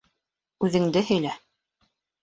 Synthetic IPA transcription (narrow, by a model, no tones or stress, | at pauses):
ʉðɘ̆ŋd̪ɘhɘ̆jlæ